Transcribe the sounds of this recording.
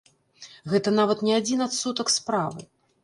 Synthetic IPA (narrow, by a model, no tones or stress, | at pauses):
ɣɛt̪ɐnavɐt̪nʲɛad͡zʲinat̪sut̪ɐkspɾavɨ̰